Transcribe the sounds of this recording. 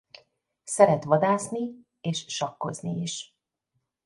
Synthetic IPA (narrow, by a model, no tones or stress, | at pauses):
sɛɾɛt̪ʋɒd̪aːsni | eːʃːɒkːo̞̰zniiʃ